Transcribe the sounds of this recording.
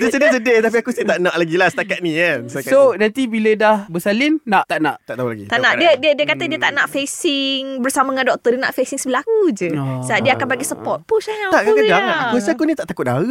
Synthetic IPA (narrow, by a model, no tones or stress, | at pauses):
dəsədəsədəht̪ap̬iakusət̪aʔnãʔlaɡilahsə̥t̪akat̪̚nikansasonãnt̪ibilədahbəsalɪnːaʔt̪aʔnã̰ʔt̪aʔt̪aɦula̰ɡḭt̪aʔʔnaʔdiədiədiəkat̪ədiət̪aʔnaʔfesɪŋbərsamaŋandɔk̚t̪ədiəna̰ʔfesiŋsəbəlakud͡ʒəsaʔdiəakanbaɡisəpɔt̪̚pusajãt̪aʔkkədaŋakusiakunĩt̪aʔt̪akʊt̪̚aə